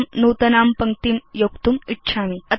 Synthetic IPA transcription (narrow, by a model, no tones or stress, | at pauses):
mnuːt̪ɐnaːmpɐŋkt̪imjokt̪umitːɕʰaːmiət̪